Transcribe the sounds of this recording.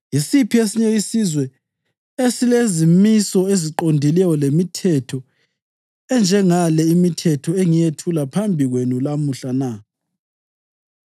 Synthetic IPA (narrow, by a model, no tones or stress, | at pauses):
jisipʰiesiɲeisizwɛ | esilezimisɔeziǃondʱilɛjɔlemitʰɛtʰɔ | ɛnd͡ʒʱɛŋalɛimitʰɛtʰɔeŋijetʰulapʰambʱiɣwenulamuɬana